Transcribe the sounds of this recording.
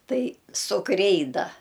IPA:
ˈtɐɪ sʊ ˈkrʲɛɪdɐ

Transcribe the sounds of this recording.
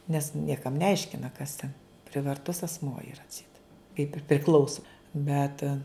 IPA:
nʲɛs ˈnʲiɛkɐm nʲɛˈɐɪʃʲkʲɪnɐ kɐs tʲɛn pʲrʲɪʋɐrˈtʊs ɐsˈmuɔ ɪˈrɐ ɐtʲˈsʲɛɪt kɐɪp ɪr pʲrʲɪˈklˠɐʊsoː ˈbʲɛt

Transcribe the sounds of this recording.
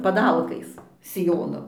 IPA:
pɐˈdɐlˠkɐɪs sʲɪˈjoːnoː

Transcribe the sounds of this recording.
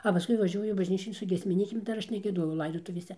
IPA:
ɐ pɐˈskʊɪ ʋɐˈʒʲuɔjʊ bɐʒʲˈnʲiːt͡ʃʲoːn sʊ ɡʲiɛsʲmʲɪˈnʲiːkʲeːm ˈdɐr ˈɐʃ nʲɛɡʲiɛˈdoːjɛʊ ˈlˠɐɪdoːtʊʋʲeːsʲɛ

